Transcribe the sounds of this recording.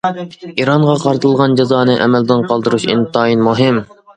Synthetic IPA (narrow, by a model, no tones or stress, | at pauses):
iɾɑɴʁɑqʰɑɾt̪ʰɨlˠʁɑnd͡ʒezɑːnɨʔɛ̰mɛld̪ɪnqʰɑlˠd̪ɨɾuʃḭnt̪ʰɑːinmuɦɪm